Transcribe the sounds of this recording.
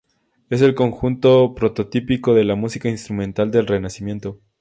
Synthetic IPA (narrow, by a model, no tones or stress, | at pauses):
e̞s̬e̞lko̞ŋxunt̪o̞pɾo̞t̪ot̪ipiko̞ðe̞lamusikainst̪ɾumẽnt̪ald̪e̞lre̞nasimje̞nt̪o̞